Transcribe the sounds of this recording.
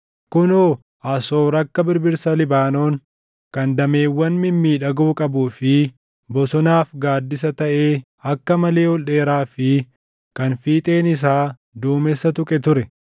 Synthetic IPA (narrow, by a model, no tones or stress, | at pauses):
kʊnoː | ɐsoːɾɐkːɐbɪɾbɪɾsɐlɪbaːno̞ːŋ | kɐnd̪ɐme̞ːwːɐnmɪmːiːᶑɐɡuːkʼɐbuːfɪ | bɔsɔnaːfɡaːd̪ːɪs̬ɐt̪ɐʔeː | ɐkːɐmɐle̞ːwɔlɗe̞ːɾaːfɪ | kɐnfiːt̪ʼe̞ːnɪs̬aː | d̪uːmɛsːɐt̪ʊkʼɛt̪ʊɾɛ